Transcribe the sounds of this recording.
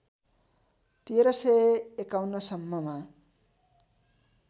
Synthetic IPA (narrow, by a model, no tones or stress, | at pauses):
t̪ieɾʌseekawnʌsʌmːʌma